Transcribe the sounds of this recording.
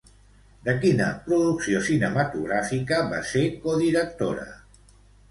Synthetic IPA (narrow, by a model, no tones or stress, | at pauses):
d̪əkinə̰pɾuðuksiosinəmat̪uɣ̞ɾafikəβa̰sekoðiɾək̚t̪o̰ɾə̰